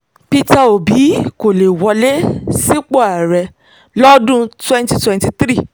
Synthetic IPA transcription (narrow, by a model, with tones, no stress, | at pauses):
pi˧ta˧o˨bi˨˦ko˨le˨wɔ˧le˦si˦k͡po˦˨a˨ɾɛ˧ | lɔ˦dũ˦twɛ̃˦nti˧twɛ̃˦nti˧t̪ɾi˦˨